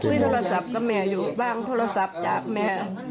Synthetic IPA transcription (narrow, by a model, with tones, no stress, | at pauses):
t̪ʰɯː˧˥˨jt̪ʰoː˧a˧sa˨˩p̚ka˧˥˩mɛː˧˩juː˨˩baː˥˩ŋt̪ʰoː˧ɾa˧sa˨˩p̚t͡ɕaː˨˩k̚mɛː˧